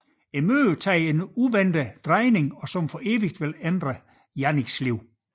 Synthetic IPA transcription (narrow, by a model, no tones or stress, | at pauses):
emø̰ːt͡sʰɛ̰ːe̝nuʋend̥əd̥ʁɑɪne̝ŋɒ̽sɒ̽mfɒʔe̝ːʋiɡ̥d̥ʋelend̥ʁə | jæniɡ̥sliʊ̰